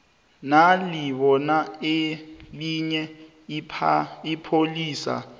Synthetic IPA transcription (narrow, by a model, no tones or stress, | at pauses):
naliɓɔnaeliɲɛ | pʰipʰoliːsa̰